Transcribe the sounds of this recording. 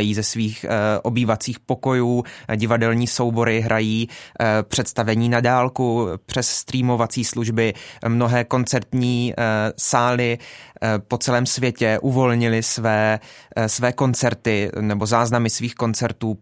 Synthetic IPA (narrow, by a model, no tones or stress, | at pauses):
jiːzɛsviːxʔo̞biːvat͡siːxpo̞ko̞juːɟɪvadɛlɲiːso̞wbo̞ɾɪɦɾʔajiːpr̝̥ɛt̪st̪avɛɲiːnadaːlkupr̝̥ɛssːt̪ɾiːmo̞vat͡siːsluʒbɪmno̞ɦɛːko̞nt͡sɛɾt̪ɲiːsaːlɪ | po̞t͡sɛlɛːmsvjɛcɛʔuvo̞lɲɪlɪsvɛːsvɛːko̞nt͡sɛɾt̪ɪnɛbo̞zaːznamɪsviːxko̞nt͡sɛɾt̪uː